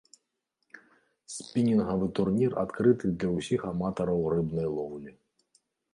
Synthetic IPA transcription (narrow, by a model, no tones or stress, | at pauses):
sʲpʲinʲinɦɐvɨt̪urnʲira̰t̪kɾɨt̪ɨd̪lʲɐwsʲixamat̪ɐɾɐwrɨbnɐjlˠɔwlʲi